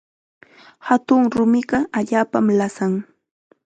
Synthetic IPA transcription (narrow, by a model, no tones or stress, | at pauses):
hat̪ʊŋɾʊmɪɢɑʔaʎaːpamlasaŋ